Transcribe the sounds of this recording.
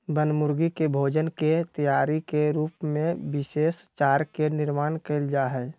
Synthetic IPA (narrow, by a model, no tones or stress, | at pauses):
bənmʊɾɡikebʱoːd͡ʒənket̪əjaːɾikeɾuːpmẽbɪseːst͡ʃaːɾkenɪɾmaːnkeɪld͡ʒaɦɛ